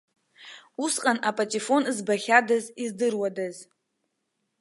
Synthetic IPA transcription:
usqʼanʔapʼatʼifo̞nzbaχʲadazizdɨrwadaz

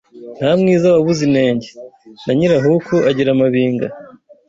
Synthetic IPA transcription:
n̥hamŋiːzaβaβuzine̞ːɲɟenaɲiɾaɦukʰoʔaɟiɾamaβiːŋɡa̰

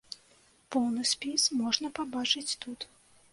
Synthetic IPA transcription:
pɔwnɨsʲpʲismɔʐnɐpabat͡ʂɨt͡sʲt̪ut̪

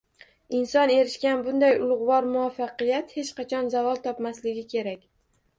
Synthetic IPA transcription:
ɪnsɒne̞ɾɪʃkʲanbʊnd̪ajʊlˠʊʁvɒɾmʊafːɑqɨjat̪he̞t͡ʃqʰɑt͡ʃʰɒnzavɒlˠt̪ʰɒpmaslɪɡʲɪkʲʰe̞ɾakʲ

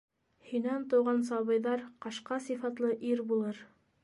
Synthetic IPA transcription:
hinænt̪ŏwʁɑnsɑβɤ̆jðɑɾqɑʃqɑsifɑt̪lˠɤʔiɾbulˠɤɾ

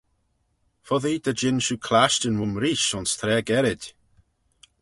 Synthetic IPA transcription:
fɔðiːd̪əd͡ʒɪnʃukʰlaʃtənwʊmɾiːʃʊnst̪ʰɾɛːɡɛɾɪd̥

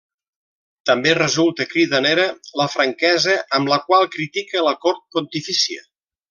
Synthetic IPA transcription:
t̪əmberəzulˠt̪əkɾiðəneɾələfɾəŋkɛzəʔəmbləkwalˠkɾit̪ikələkɔɾt̪̚pont̪ifisiə̰

